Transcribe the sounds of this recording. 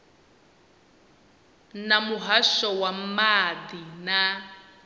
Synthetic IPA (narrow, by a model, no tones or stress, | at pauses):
namuɦaʃɔwam̩madina